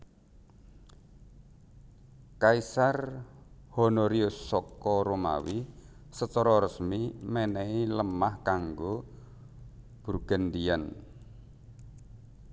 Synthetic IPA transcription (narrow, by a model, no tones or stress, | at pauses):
kaisar | hɔnɔɾiosɔkɔɾoma̰wisət͡ʃɔɾɔɾəsmimɛnɛiləmahkaŋɡo | b̥urɡ̥and̪ian